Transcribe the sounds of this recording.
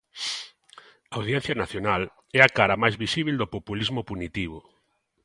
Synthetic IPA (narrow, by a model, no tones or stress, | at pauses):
aːwð̞jɛn̟θjɐnaθjonal | ɛakaɾɐmajzβisiβild̪opopulizmʊpunit̪iβ̞ʊ